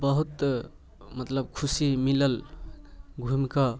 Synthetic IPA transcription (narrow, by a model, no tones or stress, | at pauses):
bəɦut̪ | mət̪ləb̚kʰusimiləl | ɡʱumka